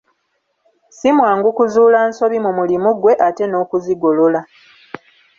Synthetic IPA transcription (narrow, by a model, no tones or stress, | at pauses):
simwaːŋɡukuzuːlaːnso̞βimumulimuɡwe̞ʔate̞no̞ːkuziɡo̞lo̞la